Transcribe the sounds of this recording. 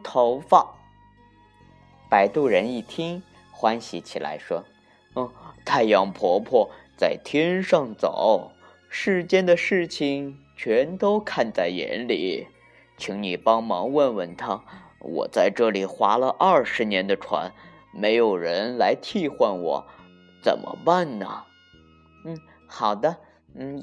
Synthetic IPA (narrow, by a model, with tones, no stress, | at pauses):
t̪ʰo˧˥ʊfɑ˥˩ | pa˨˩ɪt̪u˥˩ɻə˧˥ni˥˩t̪ʰi˥ŋ | xwa˥nɕi˧˥t͡ɕʰi˨˩la̰˧˥ɪʂwɔ˥˩ | t̪ʰa˥˧ɪjɑ˧˩ŋpʰwɔ˧˥pʰwɔ˥˧t͡sa˥˩ɪt̪ʰjɛ˥nʂɑ˥˩ŋt͡sɑ̰˨˩˦ʊ | ʂɻ̩˥˩t͡ɕjɛ˥nd̪ə˨ʂɻ̩˥˩t͡ɕʰi˨˩ŋt͡ɕʰɥɛ˧˥nt̪o˥ʊkʰa˥˧nt͡sa˥˩ɪjɛ̰˧˥nlḭ˨˩˦ | t͡ɕʰi˧˥ŋni˨˩pɑ˥ŋmɑ˧˥ŋwə˥˩nwə˥˩nt̪ʰa˥wɔ̰˨˩t͡sa˥˧ɪʈ͡ʂɤ˥˩li˨˩xwa˧˥lə˧ʔɐ˞˥˩ʂɻ̩˧˥njɛ˧˥nd̪ə˧ʈ͡ʂʰwa̰˧˥n | me˧˥ɪjo˨˩ʊɻə˧˥nla˧˥ɪt̪ʰi˥˧xwa˥˩nwɔ̰˨˩˦ | t͡sə̰˨˩nmʔə̰˦pa˥˩nnə̰˩ | n̩˥˩ | xɑ˨˩ʊd̪ə˦˧ | n̩˥˩